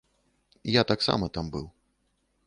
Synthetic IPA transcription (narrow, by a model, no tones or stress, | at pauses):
jat̪aksa̰mɐt̪ambɨw